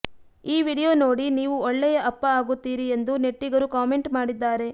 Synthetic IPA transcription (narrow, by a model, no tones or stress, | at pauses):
iːʋiːɽijo̞ːno̞ːɽiniːʋuɔɭːɛjɐʔɐpːɐaːɡut̪ːiːɾie̞nd̪une̞ʈːiɡɐɾukaːmeɳʈmaːɽid̪ːaːɾe̞